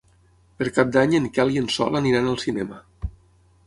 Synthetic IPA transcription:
pəɾkap̚d̪aɲəŋkalˠiənsɔ̰ləniɾanəlˠsinɛmə

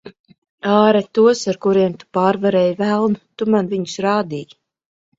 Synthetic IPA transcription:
aːɾɛt̪uɔsaɾkuɾiɛmt̪u̥paːɾvaɾɛːjvælˠnut̪umanviɲu̥sɾaːd̪iːɡ

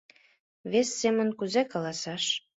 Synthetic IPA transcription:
βesːemənkuzekɑlɑsɑʃ

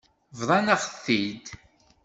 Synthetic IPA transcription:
vðˤɑnaʁθːid̪

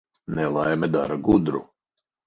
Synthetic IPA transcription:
nɛlˠajmɛd̪a̰ɾaɡud̪ɾṵ

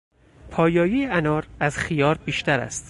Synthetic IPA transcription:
pʰɒːjɒːjijeænɒːɾæz̥xijɒːɾbiːʃt̪æɾæ̰st̪

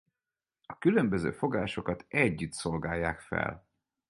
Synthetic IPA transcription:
ɒkylømbøzø̰ːfo̞ɡaːʃo̞kɒt̪ɛɟːyt̪so̞lɡaːjːaːkfɛ̰l

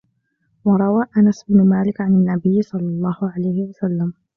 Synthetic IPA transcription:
wɑɾˤɑwaːʔanasɪbnʊmaːlɪkʕananːabɪjːsˤɑlːɑlˤːɑːhʊʕalajhɪwasalːam

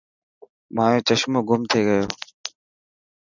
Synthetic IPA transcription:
mãːjẽːt͡ʃəʃmoːɡʊmt̪ʰeːɡəjo̰ː

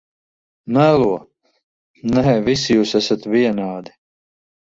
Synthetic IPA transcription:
nɛluɐ | nɛɦɛvisjuːsasɐt̪viɛnaːd̪i̥

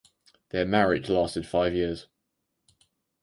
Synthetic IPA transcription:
ðəmaɹɪ̥d͡ʒlɑˑstɪd̥faɪvjɪəz̥

